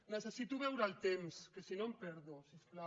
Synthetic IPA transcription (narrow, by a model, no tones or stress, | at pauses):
nesesit̪uβɛwɾalt̪emskesinompɛɾðosiskla